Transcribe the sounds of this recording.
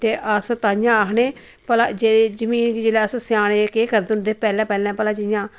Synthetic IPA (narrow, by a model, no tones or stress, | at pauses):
t̪eːʔəst̪aːjãːəɦneː | pəlaːd͡ʒeːeːd͡ʒəmiːnɡiːd͡ʒelɛːəssɪaːneːkeːkəɾd̪ʊ̃nd̪eːpɛːlɛ̃ːpɛːlɛ̃ːpəlãːt͡ʃəjãː